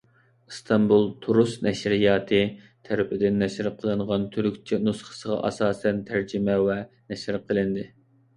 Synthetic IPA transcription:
ɨst̪ʰɑmbulˠt̪ʰuɾusnɛʃɾijɑːt̪ʰɨ | t̪ʰæɾpɪd̪ɪnːɛʃɪɾqʰəlˠɨɴʁɑnt̪ʰyɾykʲt͡ʃʰinusχə̥səʁɑ̰ʔɑ̰sɑːsɛnt̪ʰæɾd͡ʒɪmɛwɛnɛʃɪɾqʰəlˠɨnd̪ɪ

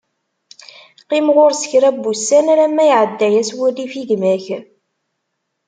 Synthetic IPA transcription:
qimʁoɾsə̥çɾæbːusːænæɾæmːæjʕəd̪ːæjæswilifiʝmæç

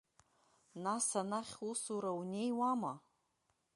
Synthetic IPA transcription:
nasanaχʲusuɾaunejwama

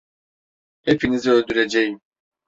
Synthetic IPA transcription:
hepʰiniziølʲd̪yɾed͡ʒejim

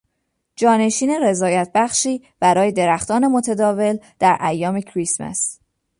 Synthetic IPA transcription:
d͡ʒɒːne̞ʃiːne̞ɾe̞zɒːjæt̪̚ʰbæxʃiː | b̥æɾɒːje̞d̪e̞ɾæxt̪ɒːne̞mot̪ʰæd̪ɒːve̞ld̪̥æɾʔæjːɒːme̞cʰɾismæ̰s

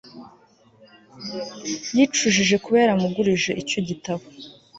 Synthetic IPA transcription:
jit͡ʃuʒiʒe̞kuβe̞ːɾamuɡuɾiʒe̞ʔico̞ɟitaβo

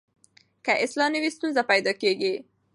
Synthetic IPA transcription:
kaʔɪslɑnəwist̪unzapajd̪ɑkeɡi

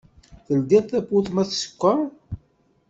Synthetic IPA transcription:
θəld̪iðˤθæpːuθmæθsə̥kʷːa

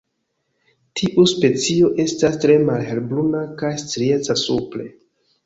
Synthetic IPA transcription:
tʰiʔuspe̞t͡sio̞ʔe̞stastɾe̞malhe̞lbɾunakajst͡sɾiet͡sasuple̞

